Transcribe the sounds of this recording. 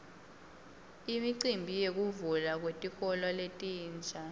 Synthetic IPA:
imiǀimbʱijek̬uvulak̬wetʼixɔlɔletʼiːnd͡ʒʱa

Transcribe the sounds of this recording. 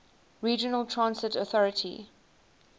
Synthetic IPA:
ɹiːd͡ʒənəlˠtʰɹãnsɪtɔθɔɹətʰḭ

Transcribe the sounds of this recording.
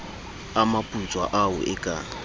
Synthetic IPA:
amapʼut͡sʼwa̰ʔaʊʔɪkʼa̰

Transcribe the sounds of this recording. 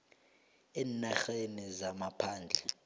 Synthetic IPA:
ɛːnaxenizamapʰaːnd͡ɮʱɛ

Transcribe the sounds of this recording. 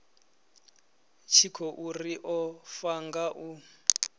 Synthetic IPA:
t͡ʃʰikʰɔʔuriʔɔfaŋɡaʔu

